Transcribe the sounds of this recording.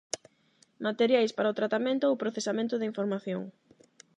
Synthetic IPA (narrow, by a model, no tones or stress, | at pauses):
mat̪eɾjajspaɾɐʊt̪ɾat̪amẽnt̪ʊʊpɾoθesamẽnt̪ʊðiɱfoɾmaθjoŋ